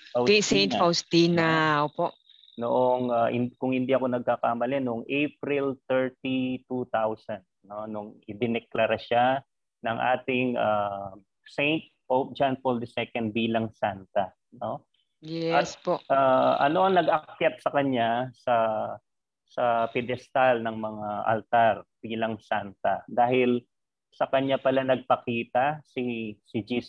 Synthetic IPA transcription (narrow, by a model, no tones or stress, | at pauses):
ɐwsɛjnt̪fawst̪inɐʔoːpoʔ | noʔoŋahɪ̰nkʊŋhɪnd̪iʔɐko̞nɐɡ̚kakaːmɐlɛnʊŋʔejp̚ɾɪlt̪ɛɹt̪it̪ut̪awsɐnd̪̚no̞nʊŋʔɪd̪ɪnɛklɐɾaʃa | nɐŋʔa̰ːt̪ɪŋʔa | sejnt̪̚powp̚d͡ʒanfold̪ɐsɛkɐnd̪̚biːlɐŋsant̪ɐ | no̞ | jɛʔɐt̪ʔaʔɐ̰noɐŋnɐɡɐkjat̪̚sɐkɐɲasɐ | sɐpɪd̪ɛst̪alnɐŋmɐŋaʔɐ̰lt̪aɾb̥iːlɐŋsant̪ɐd̪aːhɪl | sɐkɐɲapɐlanɐɡ̚pɐkiːt̪ɐsisɪd͡ʒis